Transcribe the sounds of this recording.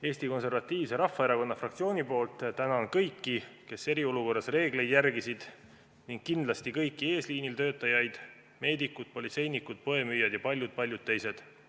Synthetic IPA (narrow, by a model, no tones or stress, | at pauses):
e̞ːsʲt̪iko̞nse̞rvɑt̪ˑːiːvse̞ɾɑfːɑeɾɑko̞nːɑfrɑk̚t̪sio̞ːnʲipo̞ːlt̪ːˑt̪ænɑonkɤjkːike̞se̞ɾio̞luko̞rːɑsre̞ːɡle̞jd̪̥jærɡisid̪̥ | niŋɡ̥̚kːind̪lɑst̪ikɤjkːˑie̞ːsliːnilt̪øːt̪ːˑɑjɑjd̪̥ | me̞ːd̪ikːˑud̪̥̚po̞lit̪se̞jnikːˑud̪̥̚po̞e̞myːjɑd̪̥jɑpɑlʲjud̪̚pɑlʲjud̪̚t̪ːe̞jse̞d̪̥